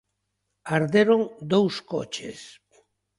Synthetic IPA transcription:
aɾðeɾoŋd̪owskɔ̰t͡ʃḛs

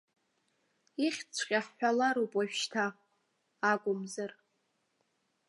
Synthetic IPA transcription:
iχʲt͡sʷʰqʲʼaħːʷᶣalaɾupʼaʃᶣʃtʰaː | ɡʷʼʊmzɨr

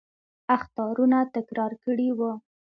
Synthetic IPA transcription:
axt̪ɑɾunat̪ɪkɾɑɾkəɽiwə

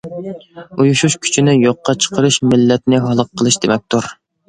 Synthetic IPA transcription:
ujuʃuʃkʲʰy̥t͡ʃʰinɪjoqːɑt͡ʃʰə̥qʰəɾɨʃmɪlːɛt̪nɪɦɑlˠəq̚qʰːəlˠɨʃd̪emɛk̚ʲt̪ʰʊɾ

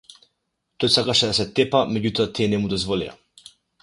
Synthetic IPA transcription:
t̪ɔjsakaʃɛd̪asɛt̪ɛpamɛɟut̪ɔat̪iɛnɛmud̪ɔzvɔlḭja̰

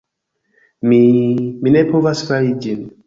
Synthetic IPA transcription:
miminɛpʰovasfalid͡ʒin

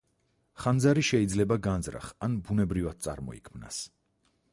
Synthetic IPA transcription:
χand̪zaɾiʃɛid̪zlɛbaɡanzɾa̰χanbunɛbɾivad̪̥̚t̪sʼa̰ɾmɔ̰ḭkʰmna̰s

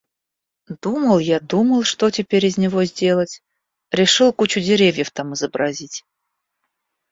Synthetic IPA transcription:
d̪uməlˠjad̪uməlˠʂt̪otʲɪpʲeɾʲizʲnʲɪvozʲdʲe̞lˠətʲ | ɾʲɪʂɨlˠkut͡ɕudʲɪɾʲevʲjəft̪amɨzəbɾɐzʲitʲ

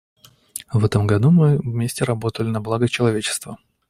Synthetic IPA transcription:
vɛt̪əmɡɐd̪umɨvmʲesʲtʲɪɾɐbo̞t̪əlʲɪnɐblˠaɡət͡ɕɪlˠɐvʲet͡ɕɪ̥st̪və

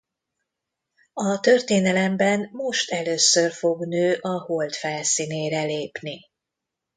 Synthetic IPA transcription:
ɒt̪ørt̪eːnɛlɛmbɛnmo̞ʃt̪ɛløːsørfo̞ɡnøːʔɒho̞lt̪fɛlsiːneːɾɛleːpni

